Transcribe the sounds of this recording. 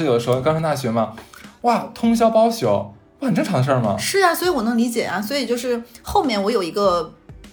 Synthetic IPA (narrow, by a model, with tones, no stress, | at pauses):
jd̪ə˦ʂɻkɑ˥˧ʂʰt̪a˥˩ɕɥɛ˧˥mɐ˧wa˥˩t̪ʰʊ˥ŋɕ̬jɑ˥ʊpɑ˥ʊɕjo˨˩˦ʊ˥ | xə˨˩ʈ͡ʂɤ˥˩ŋʈ͡ʂʰd̪ə˧ʂə˞˥˩mɐ̰˩ʂɻ̩˥˩a˩swi˧˥wɔ˨˩nɤ˧˥ŋli˧˥t͡ɕjɛ˨˩ɐ˦swɔ˧˥i˨˩t͡ɕjo˥˧ʊʂ̬ɻ̩˥˧˩xo˥˩ʊmjɛ˥˩nwɔ˧˥jo˨˩ʊi˧˥ɡə˧